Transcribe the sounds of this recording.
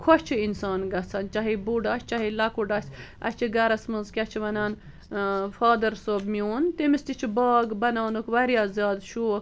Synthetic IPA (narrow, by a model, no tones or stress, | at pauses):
kʰot͡ʃʰiinsaːnɡɐt͡sʰɐnt͡ʃɐɦibuɖast͡ʃɐɦilɐkuɖɐsʲɐ̰t͡ʃʰiɡɐɾɐsmɨzkʲɐt͡ʃʰiʋɐnaːn | faːd̪ɐɾsobmioːnt̪emist̪it͡ʃʰibɑːɡbɐnaːnukʋɐɾijaːzjaːd̪ʃuːk